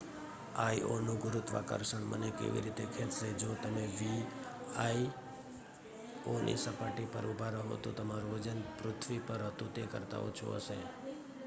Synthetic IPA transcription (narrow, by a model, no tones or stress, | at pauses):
aiʔonũɡʊɾʊt̪ʋa̰kə̰ɾʃəɳmʔə̰nekḛʋḭɾit̪ekʰet̪sed͡ʒot̪əmeʋi | ai | onʔḭsəpaʈipəɾubʱaɾəɦo̰t̪ot̪əmaɾod͡ʒənpɾʊt̪ʰʋipəɾɦət̪ũt̪ekəɾt̪a̰o̰t͡ʃʰo̰ə̰ʃe